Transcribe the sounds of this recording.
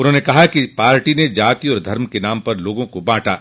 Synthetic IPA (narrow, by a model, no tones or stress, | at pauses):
ʊnɦõːnekɐɦakipaːɾʈined͡ʒaːt̪iɔːɾd̪ʱɐɾmkenaːmpɐɾloːɡõkobãːʈa̰ː